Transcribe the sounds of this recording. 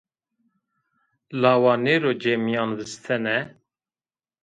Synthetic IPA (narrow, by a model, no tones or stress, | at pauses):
lɑːwɑːneːɾoːd͡ʒemijɑːnvɨst̪ʰɛnɛ